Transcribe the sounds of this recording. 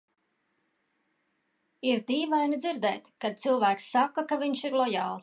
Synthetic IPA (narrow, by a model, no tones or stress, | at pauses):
iɾd̪iːvajnid̪ziɾd̪ɛ̰ːt̪kad̪̚t̪silˠvæːksːakːakaviɲʃiɾlˠɔjɑːlˠs